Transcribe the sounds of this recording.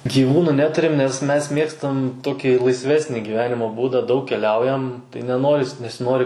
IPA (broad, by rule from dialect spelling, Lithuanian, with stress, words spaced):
ɡʲiːˈʋuːnʊ ˈnʲæːtʊrʲɪm nʲɛs ˈmʲɛs ˈmʲeːkstɐm ˈtoːkʲiː lˠɐɪsʲˈʋʲæːsʲnʲɪ ɡʲiːˈʋʲæːnʲɪmoː ˈbuːdɐ ˈdɐʊk kʲɛˈlʲɛʊjɛm tɐɪ nʲɛˈnoːrʲɪs nʲɛsʲɪˈnoːrʲɪ